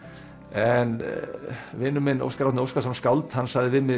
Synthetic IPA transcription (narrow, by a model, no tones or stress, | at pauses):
ɛn | vɪːnʏmɪno̰wskaɾawt̪nɪowskasanskawlt̪hanːsaɣðɪvɪmɪ